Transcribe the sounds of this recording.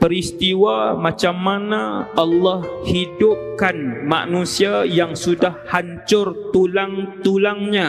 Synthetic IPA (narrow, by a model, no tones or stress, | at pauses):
pəɾist̪iwamat͡ʃamːanaalːɔhhidʊp̚kanma̰nũsiajaŋsudahhaɲt͡ʃʊrt̪ulaŋt̪ulaŋɲa